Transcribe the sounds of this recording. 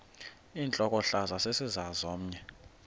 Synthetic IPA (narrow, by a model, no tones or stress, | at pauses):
iːnt͡ɬʼɔk̬ʼɔɬazasesizazom̩ɲɛ